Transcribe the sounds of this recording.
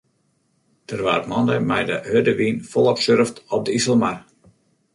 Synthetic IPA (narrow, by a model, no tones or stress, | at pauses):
d̥ərʋa̰ːrmɔndəmɛjdəhødəʋinfɔlˠɔpsørftɔp̚dəisəlˠmar